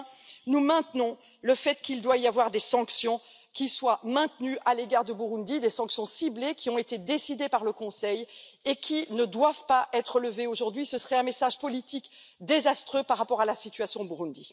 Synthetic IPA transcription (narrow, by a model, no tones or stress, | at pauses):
numɛ̃t̪nɔ̃ | ləfɛt̪kild̪waijavwaʁd̪esɑ̃ksjɔ̃ | kʲiswamɛ̃t̪nyʔaleɡaʁd̪əbuʁũnd̪id̪esɑ̃ksjɔ̃siblekʲiɔ̃et̪ed̪esid̪epaʁləkɔ̃sɛjekʲʰinəd̪wavpaʔɛt̪χələveoʒuʁd̪ɥisəsəʁɛɛ̃mesaʒpɔlit̪ik | d̪ezast̪χøpaʁːapɔʁalasit̪ɥasjɔ̃buʁund̪i